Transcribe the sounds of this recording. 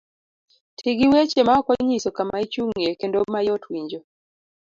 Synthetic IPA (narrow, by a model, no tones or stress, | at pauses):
tʰiɡiwet͡ʃemaɔkɔɲisɔkamait͡ʃuŋekendomajɔtʰwiɲd͡ʒɔ